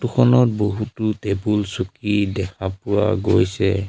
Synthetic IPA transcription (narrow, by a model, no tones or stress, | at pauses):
tukʰɔnɔt̚boɦututebulsukidɛkʰapʊwa̰ɡojsɛ